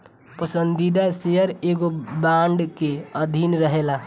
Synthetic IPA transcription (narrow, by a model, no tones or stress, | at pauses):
pəsənd̪id̪asejəɾeɡobãɳɖkeəd̪ʱinɾəɦela